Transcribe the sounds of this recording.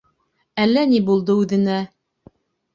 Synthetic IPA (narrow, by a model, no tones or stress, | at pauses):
ælːænibulˠd̪ɤʉðɘ̆næ